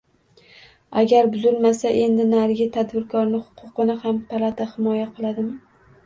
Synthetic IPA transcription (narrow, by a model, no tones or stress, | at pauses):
aɡʲaɾbʊzɪlmasaʔe̞nd̪ɪnaɾɡʲɪt̪ʰad̪bɪɾkʰɒɾnɪhʊ̥qʰʊqɨnɪhampʰalˠat̪ʰahɪmɒjaqʰɨlˠad̪ɪm